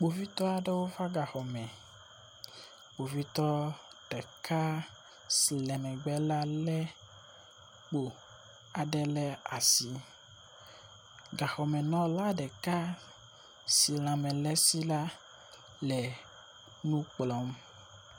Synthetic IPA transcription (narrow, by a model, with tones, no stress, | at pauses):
k͡po˨vi˦t̪ɔ˦a˨ɖɛ˦wo˦fa˦ɡa˨xɔ˨mɛ̃˨ | k͡po˨vi˦t̪ɔ˦ɖ̥ɛ˨ka˦ | slɛ˨mɛ̃˨ɡ͡bɛ˦la˦lɛ˦ | k͡po˨ | a˨ɖɛ˦lɛ˦a˨si˦ | ɡa˨xɔ˨mɛ̃˨nɔ̃˦la˦ɖɛ˨ka˦ | si˨lã˨mɛ̃˨lɛ˦si˦la˦ | lɛ˨ | nũ˦k͡plɔ˨˦m